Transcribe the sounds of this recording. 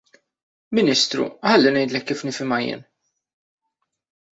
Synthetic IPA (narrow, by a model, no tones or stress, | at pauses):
mɪnɪːst̪ɾṵħɐlːɪnɛjd̪lɛkːiːfnɪfɪmɐjɪ̰ːn